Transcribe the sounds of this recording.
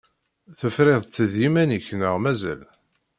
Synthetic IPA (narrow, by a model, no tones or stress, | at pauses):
θəfɾeðˤt̪ːəðimæniçnəʁmæzæ̰l